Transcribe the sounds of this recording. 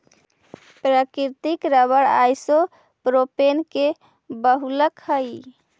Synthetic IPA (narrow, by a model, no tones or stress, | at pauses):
pɾəkiɾt̪ikɾəβəɽa̰jso | pɾopenke | bəɦuləkhəj